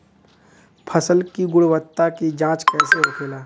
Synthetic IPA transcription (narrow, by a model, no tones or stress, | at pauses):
pʰəsəlkiɡʊɽwət̪ːakid͡ʒãːt͡ʃkɛːseʊkʰeːlaː